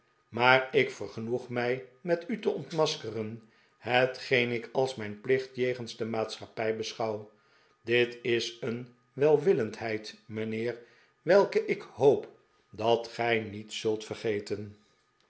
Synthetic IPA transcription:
maːrɪkfəɹχənuχmɛjmɛtytəɔntmɑskərən | ɦətχejnɪkɑlˠsmɛjnplɪχtjejχənzdəmaːtsχɑpɛjbəsχɑw | dɪtɪsən | ʋɛlˠʋɪləntɦɛjtmənɪːr | ʋɛlˠkəʔɪkɦowp | dɑtχɛjnitsɵlˠtfərχejtən

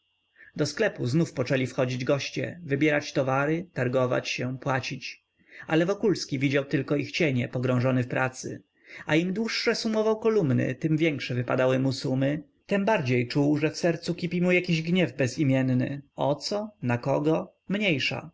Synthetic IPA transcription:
d̪ɔsklɛpuznufpɔt͡ʂɛlʲifxɔd͡ʑid͡ʑɡɔɕt͡ɕɛ̰vɘbʲjɛɾat͡ɕt̪ɔvaɾɘt̪aɾɡɔva̰t͡ɕɕɛpwat͡ɕit͡ɕ | a̰lɛvɔkulskʲivʲid͡ʑawt̪ɘlkɔixt͡ɕeɲɛpɔɡɾɔ̃w̃ʐɔnɛfpɾʔat̪sɘ̰ | aimd̪wuʂːɛsumɔvawkɔlumnɘ̰t̪ɘmvʲjɛŋkʂɛvɘpa̰d̪awɘmusumɘ | t̪ɛmbaɾd͡ʑejt͡ʂuwʐɛfsɛɾt̪sukʲipʲimujakʲiʑɡɲɛvbɛzimʲjɛnnɘ̰ɔt̪sɔnakɔɡɔ | mɲejʂa̰

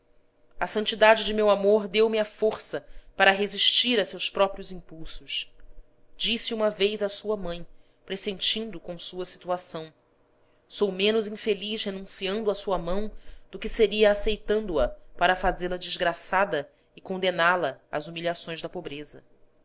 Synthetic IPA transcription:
ɐsɐ̃nt͡ʃid̪ad͡ʒɪd͡ʒɪmewamoɾd̪ewmiafoɾsɐpaɾɐɦeziʃt͡ʃiɾɐsewspɾɔpɾiʊzĩmpuwsʊs | d͡ʒisiũmɐvejzɐsuɐmɐ̃j̃ | pɾesẽnt͡ʃĩnd̪ʊkõsuɐsi̥t̪uasɐ̃w̃ | sowmẽnʊzĩfeliʃhenũsiɐ̃nd̪ʊɐsuɐmɐ̃w̃d̪̥ʊkɪseɾiɐːsejt̪ɐ̃nd̪ʊɐpaɾɐfazelɐd͡ʒizɡɾasad̪ɐ | ɪkõnd̪enalɐa̰zumiʎiasõj̃zd̪ɐpobɾezɐ̰

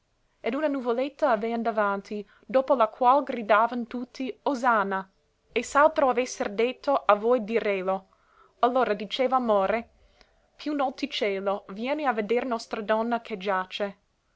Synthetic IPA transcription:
ed̪unanuvolet̪ːaːveand̪avant̪ʰi | d̪oːpolakʰwalɡɾid̪aːvant̪ut̪ʰːiozaːna | esalt̪ɾoavɛsːerd̪et̪ʰːoʔavojd̪iɾeːlo | alːoːɾad̪it͡ʃeːvaːmoːɾe | pʰjunɔt̪it͡ʃɛːlovjɛːneaved̪ɛrnɔst̪ɾad̪ɔnːakʰed͡ʒat͡ʃe

